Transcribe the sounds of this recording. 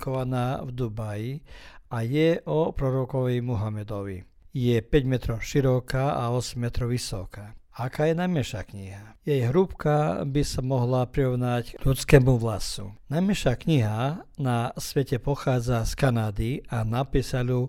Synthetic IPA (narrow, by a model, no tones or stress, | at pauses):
kɔʋanaːvd̪ubajiajɛʔɔpɾɔɾɔkɔʋɛjmuɦamɛd̪ɔʋḭ | jɛpɛɟmɛt̪ɾɔʊʃiɾɔkaːʔaɔsɛmːɛt̪ɾɔʊʋisɔ̰kaːakaːjɛnajmɛʃa̰ːkɲiɦajɛjɦɾupkabisamɔɦlapɾiɾɔʋnaɟʎut͡skɛːmuʋlasṵnajmɛʃaːkɲiɦanasʋɛcɛpɔxaːd͡zaskanaːd̪ianapisalu